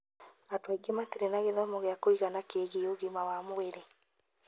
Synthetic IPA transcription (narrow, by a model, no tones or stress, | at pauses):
atwaiɡemateɾenaɣeðɔmoɣeakoiɣanakeɣeoɣimawamoeɾe